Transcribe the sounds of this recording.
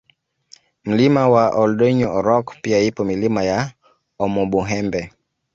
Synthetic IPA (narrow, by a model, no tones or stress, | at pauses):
m̩limawaʔɔldɔɲɔɔɾɔkpiaipɔmilimaja | ɔmɔɓuɦɛmbɛ